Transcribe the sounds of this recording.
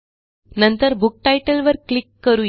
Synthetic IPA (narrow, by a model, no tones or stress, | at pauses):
nənt̪əɾbuk̚ʈajʈəlʋəɾklikːəɾuː